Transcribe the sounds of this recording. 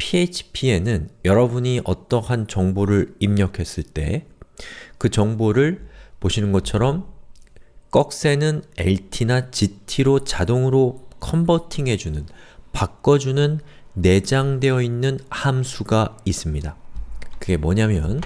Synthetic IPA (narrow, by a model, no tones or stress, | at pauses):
pʰiet͡ɕʰi̥pʰie̞nɯnjʌɾʌbuɲiʔʌt͈ʌɦant͡ɕʌŋboɾɯɾimɲʌkʰe̞s͈ɯɭt͈e̞̰ | kɯt͡ɕʌŋboɾɯɭpoɕʰinɯnɡʌt͡ɕʰʌɾʌm | k͈ʌk̚s͈e̞nɯne̞̰ɭtʰinat͡ɕitʰiɾot͡ɕadoŋɯɾokʰʌmbʌtʰiŋɦe̞d͡ʑunɯnpak͈ʌd͡ʑunɯnː | e̞d͡ʑaŋde̞ʌinːɯnhamsʰuɡais͈ɯmɲidakɯɡe̞mwʌɲamjʌn